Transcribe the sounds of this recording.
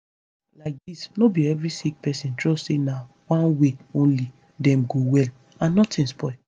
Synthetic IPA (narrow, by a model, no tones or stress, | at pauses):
laɪk̚disnobiɛvɹisik̚pɛsĩntɹɔstsena | wãnweõnli | dɛ̃mɡowɛl | ãnːɔtĩnspɔɪ